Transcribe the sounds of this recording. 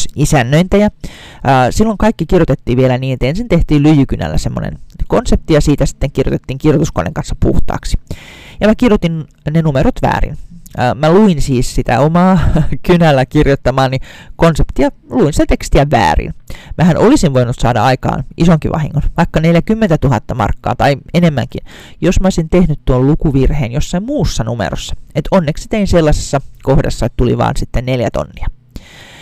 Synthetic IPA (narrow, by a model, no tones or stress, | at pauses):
isænːøint̪æjɑː | silːoŋkɑikːikirjot̪et̪ːiːʋielæniːnet̪ensint̪eht̪iːllyjykynæ̰lːæ̰semːo̰nḛnkonsep̚t̪ijɑsiːt̪æsi̥t̪ːeŋkirjo̰t̪et̪ːiːŋkirjot̪usko̰nːḛŋkɑnsːɑ̥pṵht̪ɑ̰ːksi̥jɑmækirjot̪in | nenumeɾot̪ʋæ̰ːrḭnːmæluinsiːssit̪æ̰omɑːkynælːækirjot̪ːɑmɑːnnikonsept̪iɑluinsit̪æt̪ekst̪iæʋæ̰ːrḭnmʔæhænʔolisinʋoinut̪sɑ̰ːdɑɑikɑ̰ːnʔisoŋkiʋʔɑ̰hḭŋːonʋɑikːɑneljækymːent̪æt̪uɦɑt̪ːɑmɑ̰rkːɑ̰ːt̪ɑienemːæŋkin | josmæosʲint̪ehnyt̪t̪uollukuʋirheːnjosːɑimmuːsːɑnumḛɾosːɑ̥et̪onːeksi̥t̪einselːɑse̥sːɑkohdɑ̰sːɑet̪t̪ulḭʋɑ̰ːnsit̪ːenneljæt̪o̰nːiɑ